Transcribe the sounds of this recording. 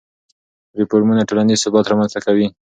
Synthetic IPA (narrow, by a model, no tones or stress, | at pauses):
ɾɪpoɾmunaʈolanizsʊbɑt̪ɾɑmanz̥t̪akawi